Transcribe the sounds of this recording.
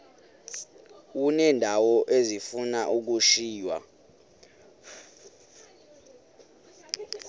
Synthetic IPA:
unɛːndʱawɔʔezifunaʔuk̬uʃiːjwa̰

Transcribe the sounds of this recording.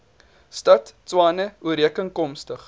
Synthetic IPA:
stɐtt͡swɑːnəuəɾiəkəŋkɔmstəχ

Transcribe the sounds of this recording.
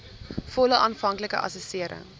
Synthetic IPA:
fɔləʔɑːnfɐŋkləkə̰ʔɐ̰sɔsiəɾə̰ŋ

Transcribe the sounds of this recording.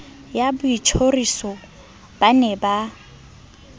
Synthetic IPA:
jabʊit͡ʃʰorisɔ | b̥anɛba

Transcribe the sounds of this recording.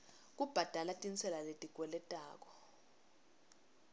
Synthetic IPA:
k̬ʼub̥ʱad̥ʱalatʼint͡sʰʼɛlaletʼikʼwɛlɛtʼaːk̬ɔ̥

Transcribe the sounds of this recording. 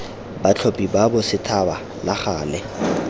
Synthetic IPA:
bat͡ɬʰopʼibabʊsɪtʰaba | laχaːlɛ

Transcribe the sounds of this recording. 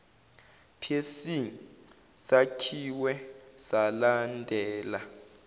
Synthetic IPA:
pʰjesi | sacʰiwɛsalandʱɛːla

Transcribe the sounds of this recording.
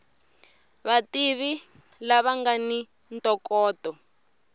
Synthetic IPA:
βatiβi | laβaŋɡani | ntɔkɔːtɔ

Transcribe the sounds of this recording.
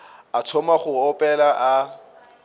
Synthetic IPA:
atʰɔmaχʊɔpʼɛlaʔa

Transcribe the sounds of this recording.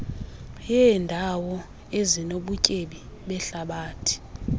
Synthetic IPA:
jɛːndʱawɔ | ezinoɓucʼeɓi | ɓɛɬaɓaːtʰi̥

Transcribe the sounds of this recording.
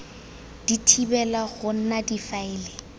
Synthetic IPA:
d̥itʰibɛlaɣʊn̩nadifaɪːlɪ

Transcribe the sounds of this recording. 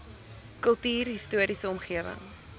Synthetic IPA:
kəlˠtiːrɦistuəɾisəɔmχiəvə̰ŋ

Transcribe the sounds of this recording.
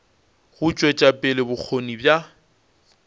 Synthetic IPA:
ɣʊt͡ʃʼwɛt͡ʃʼapʼɪlɪbʊk͡xʰonibja

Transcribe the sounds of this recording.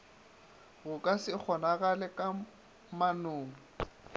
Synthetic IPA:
ɣʊkʼasɪk͡xʰɔnaɣalɛkʼa | manʊːŋ̩

